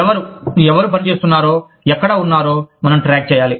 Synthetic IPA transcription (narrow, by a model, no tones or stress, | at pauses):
ɛʋɐɾuɛʋɐɾup̬ɐnit͡ʃe̞ːst̪unːaːɾoː | ɛkːɐɽɐunːaːɾo̞ːmɐnɐmʈɾaːk̚t͡ʃɛːjaːli